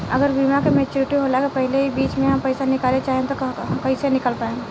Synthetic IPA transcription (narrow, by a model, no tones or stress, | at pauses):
ɐɡəɾbimãkemet͡ʃoɾɪʈiɦolakapəɦleɦibiːt͡ʃmẽɦɐmpəɪsanɪkalet͡ʃaːɦẽt̪oɦmkɐisenɪkəlpaːẽɡe